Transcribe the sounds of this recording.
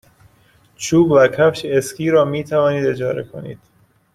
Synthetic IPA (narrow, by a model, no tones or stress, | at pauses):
t͡ʃʰuːbvækʰæfʃeeskʰiːɾɒːmiːt̪ʰævɒːniːd̪e̞d͡ʒɒːɾḛkʰo̰nḭːd̪̥